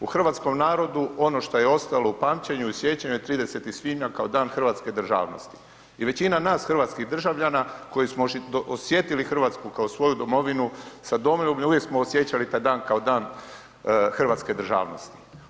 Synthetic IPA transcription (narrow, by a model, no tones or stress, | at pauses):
uxr̩ʋaːt̪sko̞mnaːɾo̞d̪uo̞no̞ʃt̪o̞jeo̞st̪aloupaːmt͡ɕeɲuisʋje̞t͡ɕaɲujet̪ɾiːd̪e̞se̞t̪isʋimakao̞d̪aːnxr̩ʋaːt̪ske̞d̪r̩ʒa̰ːʋno̞̰st̪i̥ | iʋe̞t͡ɕinanaːsxr̩ʋaːt̪skiɣd̪r̩ʒaʋʎanako̞jismoosje̞t̪ilixr̩ʋaːt̪skukaosʋo̞jud̪o̞mo̞ʋinusad̪omomuʋjeksmoːsje̞t͡ɕalit̪ajd̪aːnkao̞d̪aːn | xr̩ʋaːt̪sked̪r̩ʒa̰ːʋnost̪i̥